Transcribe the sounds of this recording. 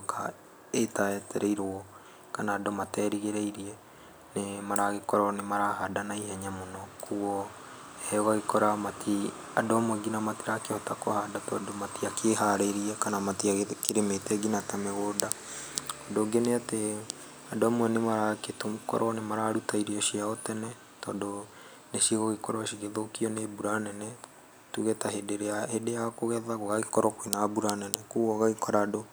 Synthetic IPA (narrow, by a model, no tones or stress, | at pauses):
kʰa | etatɛɾʔeiɾoɔ | kanaːdomatɛːɾiɣeɾeiɾiɛ | nemaɾaɣekɔɾɔnemaɾaɦadanaihɛɲamonɔkʰuɔ | hɛɣaɣekɔɾamatʰi | adoamwɛɡinamateɾakehɔtakɔhadatɔadomatiakʰeɦaɾeiɾiɛkanamatiaɣkeɾemetɛɡinatameɣoːda | ɔdoɡeneate | adoamwɛnemaɾaketomukɔ̰ɾʔɔnemaɾaɾutaiɾiɔʃiaɔtɛnɛ | tɔdo | neʃiɣɔɣekɔɾɔʃiɣeðokiɔnebuɾanɛnɛ | tuɣetaɦedeɾeahedeakoɣɛðaɣoɣaɣikɔɾɔkwenabuɾanɛnɛkuɣɔɣaɣikɔɾado